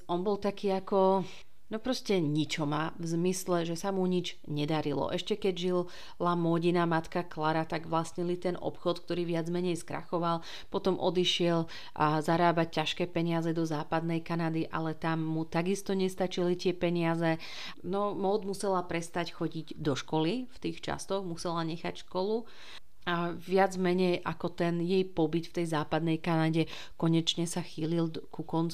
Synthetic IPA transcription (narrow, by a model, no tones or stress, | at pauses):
ɔnbɔlt̪akiːakɔ | nɔpɾɔscɛɲit͡ʃɔmavzmislɛʒɛsamuɲid͡ʒ | ɲɛd̪aɾilɔ̰ʔɛʃcɛkɛɟʒil | lamɔɟinamat̪kaklaɾat̪aɡʋlast̪ɲɛlit̪ɛnʔɔ̰pxɔt̪k̚t̪ɔɾiːʋɪad͡zmɛɲɛjskɾa̰xɔʋal | pɔt̪ɔmʔɔd̪iʃɪɛl | azaɾaːbac̚cːaʃkɛːpɛɲɪazɛd̪ɔzaːpad̪nɛjkanad̪iʔa̰lɛt̪amːut̪aɡist̪ɔɲɛst̪at͡ʃilit̪ɪɛpɛɲɪazɛ | nɔmɔd̪musɛlapɾɛst̪acxɔɟiɟd̪ɔʃkɔlift̪iːxt͡ʃa̰st̪ɔɣmusɛlaɲɛxa̰cʃkɔlu | aʋɪad͡zmɛɲɛjʔakɔt̪ɛnjɛjpɔbit̪ft̪ɛjzaːpad̪nɛjkanaɟɛ | kɔɲɛt͡ʃɲɛsaxiːlilkukɔnt͡s